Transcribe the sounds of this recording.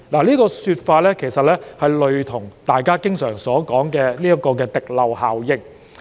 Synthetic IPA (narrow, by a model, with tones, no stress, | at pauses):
laː˨˩liː˥kɔː˧syː˧t̚faː˧t̚lɛː˥kʰe˨˩jsɐ˨t̚lɛː˥hɐ˨jlɵ˨ɥt̪ʰʊ˨˩ŋt̪aː˨jkaː˥kɪ˥ŋsœː˨˩ŋsɔː˨˥kɔː˨˥ŋkɛː˧liː˥jɐ˥kɔː˧kɛː˧t̪ɪ˨k̚lɐ˨whaː˨wjɪ˧k̚